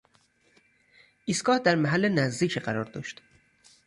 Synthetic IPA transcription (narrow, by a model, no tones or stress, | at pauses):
ʔisɡɒːhd̪æɾmæɦælːenæzd̪iːcʰiɢæɾɒːɾd̪ɒ̰ːʃt̪